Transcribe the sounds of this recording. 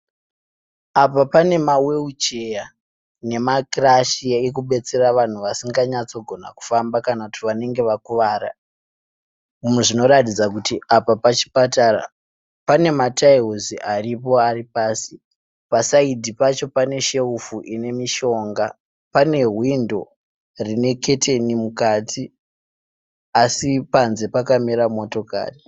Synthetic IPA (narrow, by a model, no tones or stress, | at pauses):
apapane̞mawe̞ut͡ʃe̞ja | ne̞makraʃiek̬uɓe̞t͡se̞raʋan̤uʋasiŋɡaɲat͡so̞ɡʱo̞na̰ku̥fambakanakutiʋane̞ŋɡe̞ʋakuʋaːra̰ | umweʐino̞ɾatid͡zakutiʔapapat͡ʃi̥patara̰ | pane̞mataiɦuziʔaripo̞aripaːsi | pasaidʱipat͡ʃo̞pane̞ʃe̞ufuʔine̞miʃo̞ŋɡa | pane̞ɦwindo̞ | rine̞ke̞te̞nimukati | asipanze̞pakamiɾamo̞to̞ka̰ːri